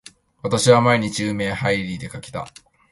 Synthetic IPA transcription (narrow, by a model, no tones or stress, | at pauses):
βat̪aɕiβamaeɲ̟it͡ɕiiɯme̞ːhaiɾʲid̪e̞kakʲi̥t̪a̰